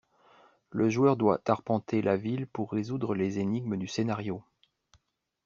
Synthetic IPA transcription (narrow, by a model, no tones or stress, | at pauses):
ləʒuœʁd̪wa̰t̪aʁpɑ̃t̪ʰelʔavilpuʁːezud̪ʁəlezeniɡ̚məd̪ysenaʁjo